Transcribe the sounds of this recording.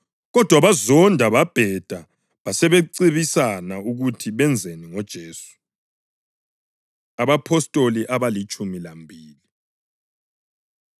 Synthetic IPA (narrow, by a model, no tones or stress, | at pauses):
ɣɔd̥ʱwaβazɔndʱaβab̥ʱɛd̥ʱa | βasɛβeǀiβisanauɣutʰiβɛnd͡zʱeniŋɔd̥ʒ̥ʱeːsu̥ | aβapʰɔstʼoliʔaβalit͡ʃʼumilambʱiːli